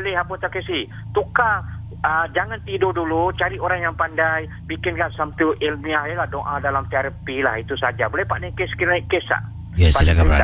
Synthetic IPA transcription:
lɪɦapot̪akesi | t̪uka | əd͡ʒaŋant̪idodulut͡ʃaɾioɾaŋjaŋpandaj | bikɪnkaʔsamt̪uʔilmiaɦjəlahdoʔãdalamt̪iaɾəpilahit̪usad͡ʒabolɛhpaʔnakeskinaiʔkesa̰ | ɛspaaka

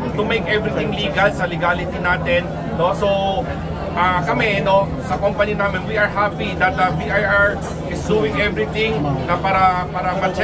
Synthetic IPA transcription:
t̪ʊmejkɛvɾɪt̪ɪ̃ŋliːɡɐlsɐlɪɡaːlɪt̪inaːt̪ɛnː | oso | ʔaːkɐmɛno̞ | sɐkompɐninaːmɪnwiʔɐɹhapid̪ɐt̪̚lɐbiʔajaɹ | ʔɪsd̪uɪ̃ŋʔɛvɾɪt̪ɪ̃ŋnɐpaːɾɐpaːɾɐmɐt͡ʃ

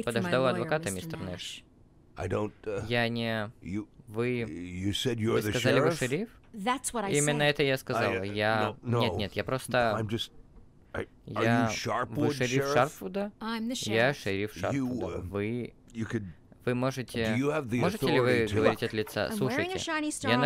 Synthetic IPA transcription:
pəd̪ɐʐd̪alˠɐd̪vɐkat̪əmʲist̪ərnɛʂ | aɪdõʊ̃ntjanʲɪjvɨjɨsɛdkɐzalʲɪvɨʂɨɾʲif | ðætswɔɾaimʲɪnːəɛt̪əjaskɐzalˠjanʲet̪nʲet̪japɾo̞st̪əãɪ̃md͡ʒʌst̚ | jaʃɑɹpwɨʂɨɾʲifʂarpfʊd̪əãɪ̃mðʃjjaʂɨɾʲifʂa̰rʊd̪əvɨ | jɨkɨd | vɨmo̞ʐɨtʲɪjɨvðimoʐɨtʲɪlʲɪvɨɡəvɐɾʲitʲɐt̪lʲɪt̪sa̰slˠuʂəj̃ŋʲɪ̰ɑnisjan

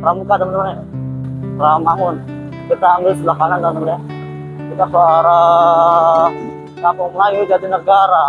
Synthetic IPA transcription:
ramukat̪əmənd̪man | ramaŋʊn | kit̪aŋɡislakanant̪amnt̪əmnaa | kit̪asoaɾa | kapʊŋlajid͡ʒad̪inəɡaɾa

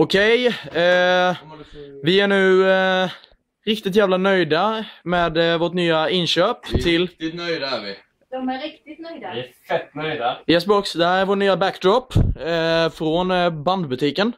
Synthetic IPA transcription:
ʊkʰɛj | vɪæɳʉ̟ː | ɾɪkt̪ɪt̪̬jæːvlanœjd̪ameːd̪voːʈnyːaɪnʃøːpt̪ʰɪlːɪnœjd̪aɪ | d̪ɔmæɾɪkt̪ɪt̪nœjd̪a | œd̪ajɛsbɔksd̪ɛhæːɾæɾvoːʈnyːabækːd̪ɾɔpː | fɾonband̪bɵt̪ʰiːkən

